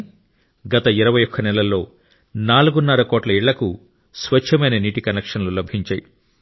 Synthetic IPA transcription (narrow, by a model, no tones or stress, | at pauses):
ɡɐt̪ɐiɾɐʋɐjɔkʰːɐnɛlɐlːo̞ː | naːluɡunːɐɾɐkoːʈlɐiɭːɐku | sʋɐt͡ʃʰːɐmɐjnɐniːʈikɐnekʂɐnlulɐbʱiɲt͡ʃa̰ːji